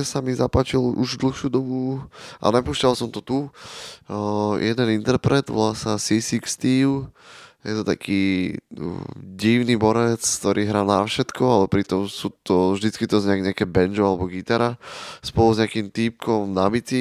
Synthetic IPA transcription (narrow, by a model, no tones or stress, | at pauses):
samizapat͡ʃilṵʒd̪l̩xʃuːd̪ɔmua̰nɛpuːscalsɔmt̪ɔt̪u | jʔɛd̪ɛnint̪ɛɾpɾɛd̪ʋɔ̰lasasisikst̪iːljɛt̪ɔt̪a̰kʰiː | ɟiʊnibɔɾɛt͡skt̪ɔɾʔiːɦɾaːnafʃɛt̪kʰɔalɛpɾit̪ɔmsuːt̪ɔvʒd̪it͡skit̪ɔzɲɛaɲɛakɛbɛnd͡ʒɔalɛbɔɡit̪aɾaspɔluzɲɛakiːmt̪iːp̚kʰɔmnabit͡si